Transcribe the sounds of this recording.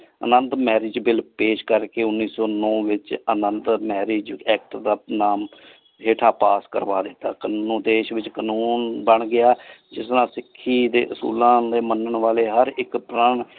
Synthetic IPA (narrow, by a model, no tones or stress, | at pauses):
ə̰nə̃nt̪mɛːɾɪːd͡ʒbɪlpeːʃkəɾkeːʊnːiːsɔːnɔːʋɪt͡ʃənənt̪mɛːɾeːd͡ʒɛːk̚ʈd̪aːnaːm | ɦeːʈʰaːpaːskə̰ɾʋaːd̪ɪt̪ːaːkənuːnũːd̪eːʃʋɪt͡ʃkənuːnbəɳɡɪaːd͡ʒɪsnãːsɪkʰːiːd̪ḛːʔʊsṵːlãːd̪eːmənəɳʋaːleːɦəɾɪkpɾəɳ